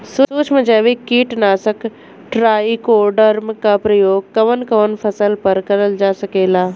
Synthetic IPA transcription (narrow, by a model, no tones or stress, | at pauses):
suuːt͡ʃʰməd͡ʒaːʋikiːʈnaːsək | ʈɾaːikoːɖəɾmkapɾɐjoːɡ̚kɐʋənkɐʋənpʰɐsəlpɐɾkɐɾəld͡ʒaːsɐkeːlaː